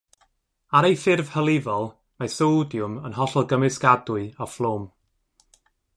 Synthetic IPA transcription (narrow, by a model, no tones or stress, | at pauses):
aɾejfɪrv̥həlˠɪvɔlˠ | masowdjʊmənɦɔɬɔlˠɡəmɨskadʊɨɔflˠoːm